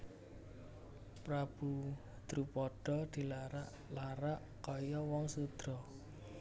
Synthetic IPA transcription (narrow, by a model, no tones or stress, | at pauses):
pɾab̥ṳ | d̪̥ɾupɔɖ̥ɔ̤d̪̥i̤laɾaʔ | laɾaʔ | kɔjɔwɔŋsud̪̥ɾɔ